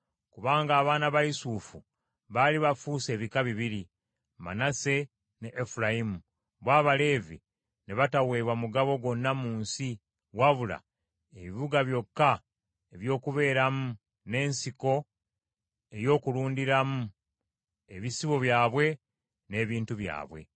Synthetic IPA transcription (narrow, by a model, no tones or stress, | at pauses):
kuβaːŋɡaːβaːnaβaisuːfu | βaliβafuːse̞ːβikaβiβiɾi | ma̰nase̞ | neʔːfulaimu | βwaːβale̞ːvi | neβatawe̞ːβwamuɡaβo̞ɡo̞nːamuːnsi | waβula̰ | e̞βiβuɡaβjo̞kːa | eβjo̞ːkuβe̞ːɾamu | ne̞ːnsiko̞ | e̞jo̞ːkuluːndiɾamu | e̞βisiβo̞βjaːβwe̞ | ne̞ːβiːntuβja̰ːβwe̞̰